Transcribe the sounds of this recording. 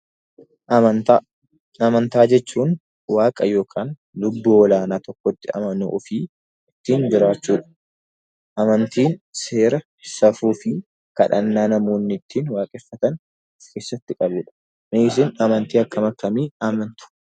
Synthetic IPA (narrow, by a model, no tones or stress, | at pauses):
ɐmɐnt̪aːd͡ʒɛt͡ʃːuːn | waːkʼɐjo̞ːkʰaːn | lʊbːuːɔlaːnaːt̪ɔkːɔt̪ːɪɐ̰mɐnṵːʔʊfiː | ɪt̪ːiːnd͡ʒɪɾaːt͡ʃːuːᶑɐ̥ | ʔɐmɐnt̪iːnse̞ːɾɐ | sɐfuːfɪ | kɐ̰ᶑɐ̰nːaːnɐmoːnːɪt̪ʰːiːnwaːkʼɛfːɐt̪ɐn | kʰe̞ːsːɐt̪ːɪkʼɐbʊᶑɐ̥ | meɪs̬ɪnɐmɐnt̪iːɐkːɐmɐkːɐmiːɐmɐnt̪ʊ̥